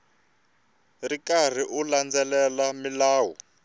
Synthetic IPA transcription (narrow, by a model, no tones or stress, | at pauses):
rikar̤iʔuland͡zɛlɛlamilaːwɔ